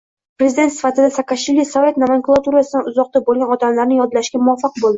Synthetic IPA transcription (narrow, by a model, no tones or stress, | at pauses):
pɾe̞zɪd̪et̪sɪ̥fat̪ɪd̪asakaʃvilisovʲe̞t̪namaŋkulˠat̪uɾasɪd̪anʊzɒq̚t̪abolˠɡʲanɒt̪amlaɾnɪjɒd̪laʃɡʲamʊɒfːɑqbolˠd̪ɪɪ